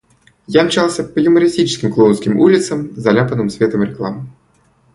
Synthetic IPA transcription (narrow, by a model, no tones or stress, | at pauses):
jaɐmt͡ɕalˠsʲəpəjʊməɾʲɪsʲtʲit͡ɕɪ̥skʲɪmklˠonskʲɪmulʲɪt̪səmzɐlʲapənɨmsʲvʲet̪əmɾʲɪklˠamɨ